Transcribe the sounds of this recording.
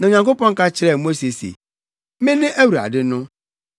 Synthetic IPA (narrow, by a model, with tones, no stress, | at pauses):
nã˨ɲã˨ŋkʊ˦pɔ̃˦ŋ̩˦ka˦t͡ɕɪ˦ɾɛ˨mo˦si˨sḛ˨ | mɪ̃˦nɪ̃˦ʔe˦wu˨ɾa̰˨dɪ˦nʊ̃˦